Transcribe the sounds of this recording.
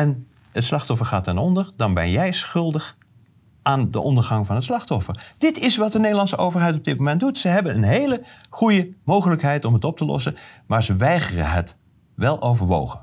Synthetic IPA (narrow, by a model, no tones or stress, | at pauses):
ɛn | ətslɑχtɔfəɹχaːtɛnɔndəɹdɑnbɛ̰njɛjsχɵlˠdəχ | ʔaːndə̰ʔɔndəɹχɑŋvɑnətslɑχtɔfəɹd̥ɪtɪsʋɑt̚dənejdəlɑnsəʔowvəɹɦɛjtɔb̚dɪt̚mowmɛntdutsəɦɛbənənɦejləχujəmowχələkɦɛjtɔmɦətɔp̚təlɔ̰sənmaːɹzəʋɛjχərə̰ɦə̰t | ʋɛlˠʔowvəɹʋo̰wχən